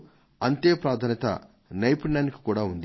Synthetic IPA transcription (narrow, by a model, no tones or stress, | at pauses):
ɐnt̪eːpɾaːd̪ʱaːnɐt̪ɐ̰ | nɐjpiɳɖaːniki̥kuːɽaːund̪i